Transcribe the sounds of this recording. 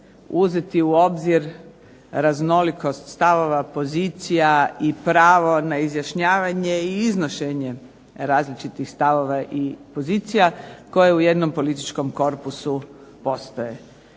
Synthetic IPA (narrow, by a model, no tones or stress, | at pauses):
uzet̪iuo̞bziɾ | ɾazno̞liko̞st̪st̪aʋo̞ʋapo̞ziːt̪sijaipɾaːʋo̞naizjaʃɲaːʋaɲe̞iiznoʃeɲe̞ | ɾaːzlit͡ʃit̪ixst̪aʋo̞ʋaʔipo̞ziːt̪sijako̞jeuje̞d̪no̞mpo̞lit̪it͡ʃko̞mko̞ɾpusupo̞st̪oje̞